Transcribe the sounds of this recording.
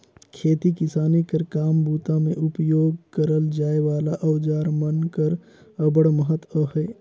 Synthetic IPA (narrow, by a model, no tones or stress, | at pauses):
kʰeːt̪ikɪsaːnikəɾkaːmbuːt̪amẽʔʊpjoːɡkəɾəld͡ʒaːeʋaːlaʔəʊd͡ʒaːɾmənkəɾ | əbəɽməɦət̪əɦɛː